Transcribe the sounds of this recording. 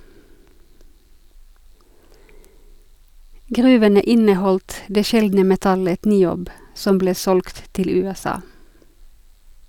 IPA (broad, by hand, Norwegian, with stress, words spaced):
ˈɡʁʉːʋənə ˈʔɪnəˌhɔldt ˈdeː ˈʃɛldnə mɛˈtɑlət nɪˈoːb ˈsɔm ˈbleː ˈsɔlɡt ˈtɪl ˌʉːɛˈsɑː